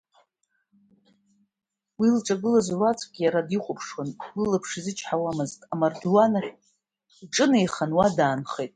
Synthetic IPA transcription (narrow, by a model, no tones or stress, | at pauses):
wilʈ͡ʂʼaɡɨlazrat͡sʷʼɡʲijaɾadiχʷʊpʰʂwanwilapʰʂizɨt͡ʃʰħawamɨztʼamarduwana | ʈ͡ʂʼɨnejχanwadaːnχejtʼ